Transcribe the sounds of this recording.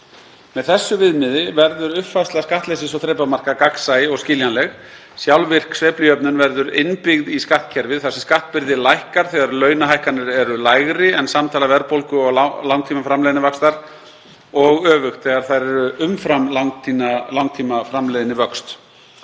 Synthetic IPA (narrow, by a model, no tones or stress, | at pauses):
mɛðθɛsːʏvɪðmɪðɪvɛɾðʏɾʏhpfast̪laðskaht̪lɛjsɪsɔwθɾejpamar̥kakaksajɔɣscɪːljanlɛɣ | sjawlvɪr̥ksvɛːplɪœpnʏnvɛɾðʏɾɪ̰npɪɣðiskaht̪cʰɛɾvɪðθḁsɛmskaht̪pɪɾðɪlajhkaɾ̥θɛɣaɾlœːɥnaɦajhkanɪɾɛɾʏlajɣɾɪɛnsamt̪ʰaːlavɛɾpowlkʏɔɣlawŋk̚t̪ʰiːmafɾamlɛðɪnɪvakst̪aɾ̥ | ɔɣœːvʏxt̪θɛɣaɾ̥θaðɾɛɾʏʔʏmfɾamlawŋt̪ʰinalawŋkt̪ʰiːmafɾamlɛðɪnːɪvœkst̪